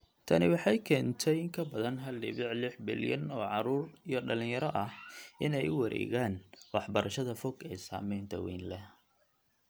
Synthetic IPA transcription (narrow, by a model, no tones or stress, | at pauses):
t̪ʰɐnɪwɑħɑjkʰɛːnt̪ʰɛjɪŋkʰɐbɐðɐnɦɐlɖɪβɪʕlɪħbɪ̰ljɐnɔːʕɑɾuːrijɞɖɐlɪ̃ŋjɐɾɐʔɐhʔɪnɛjʊwɐɾʔɛ̰ːɣaːnwɑħbɐɾʔɐʃɐðɐfɔɡɛːsa̰ːmɛjnt̪ʰɐ̰wɛjnlɛh